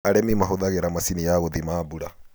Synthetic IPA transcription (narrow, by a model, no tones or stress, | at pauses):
aɾɛmimaɦoðaɣeɾamasinijaɣoðimaːbuɾa